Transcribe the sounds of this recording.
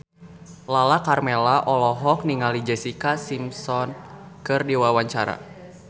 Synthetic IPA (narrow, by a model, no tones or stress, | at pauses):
lalakarmelaʔɔlɔɦɔk̚niŋalid͡ʒɛsikasimsɔnkɨrdiwawaɲt͡ʃaɾa̰